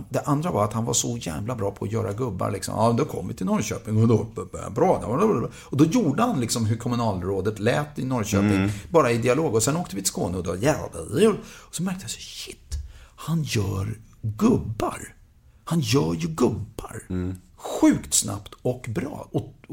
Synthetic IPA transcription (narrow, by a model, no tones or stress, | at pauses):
d̪ɛʔand̪ɾavaɾat̪hanvasɔjæ̰ːvlabɾɑːpʰɔːjœːɾa̰ɡɵbːa̰ɾɭlɪksɔ̰mɑmd̪ɔkʰɔ̰mːvɪ̰t̪ʰɪlnɔɾɕø̰ːpɪŋɔd̪obɾɑːd̪ɛ | ɔd̪ɔjuːɖəhanlɪksɔmɦɵɾkʰɔmɵnɑːlɾoːd̪ət̪lɛːt̪ːɪnɔɾɕø̰ːpɪŋbɑːɾaɪd̪ɪaloːɡɔsɛnoːkt̪əvɪt̪ʰɪ̥skoːnəɔd̪ɛvajɛa̰va̰d̪əd̪ɛjuːɖɔsɔmæɾk̚t̪əhasaɕɪt̪ːhanjœːɾɡɵbːa̰ɾ | hanjœːɾjɵɡɵbːa̰ɾ | ɧʉ̟ːkt̪sna̰pt̪ɔkbɾɑ̰ːɔ